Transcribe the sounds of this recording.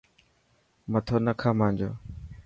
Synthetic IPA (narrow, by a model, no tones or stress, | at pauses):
mət̪ʰoːnəkʰãːmãːnd͡ʒo̰ː